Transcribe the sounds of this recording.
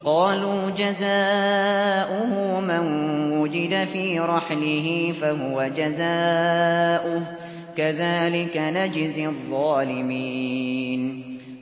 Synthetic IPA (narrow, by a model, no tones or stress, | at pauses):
qɑːluːd͡ʒazaː | ʔʊhʊmanwʊd͡ʒɪd̪afiːɾˤɑħlɪɦɪfaɦʊwad͡ʒazaː | ʔʊ | kaðaːlɪkanad͡ʒɪzðˤːɑːlɪmiːn